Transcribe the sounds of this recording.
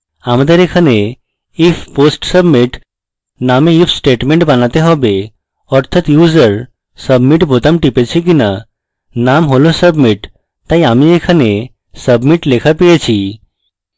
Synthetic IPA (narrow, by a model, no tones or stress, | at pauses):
amd̪əɾekʰane | ifʰpoːsʈsəbmiʈ | naːmeifʰsʈeːʈmẽɳʈbɐnat̪eɦɔbe | ɔɾt̪ʰət̪juːzəɾ | səbmiʈbʱot̪əmʈipet͡ɕʰik̬ina | namɦolõsəbmiʈ | t̪ajamiekʰəne | səbmiʈlekʰapijet͡ɕʰi